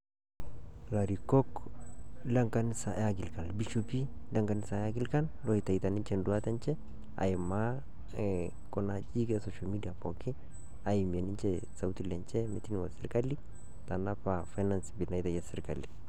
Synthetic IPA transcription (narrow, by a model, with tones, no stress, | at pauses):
la˨ɾi˨kɔ˦k | la˦ŋka˦nisa̰˨ʔaɡi˨lka˨lbi˦ʃu˦pi˦la˦ŋka˨ni˦sa˨ja˦ɡi˦lka˦nlo˦i˨t̪a˨it̪a˨ni˦nt͡ʃɛndua˦t̪a˦nt͡ʃɛ˦ | a̰˨ji˨ma˦ | kɔ˨na˨t͡ʃi˦kɛ˦sɔ˨ʃa˨lmi˦dia˨po˨ki˦ | a˨ji˨m˨e˨ni˦t͡ʃɛ | sa˨wt̪i˦le˨nt͡ʃɛ˦mi˨t̪i˦nwa˨sɛ˦ɾka˦li˦ | t̪a˨na˦pa˨fa˦jna˨nsbi˨lna˦jt̪a˨jasɛ˦ɾka̰˨li˨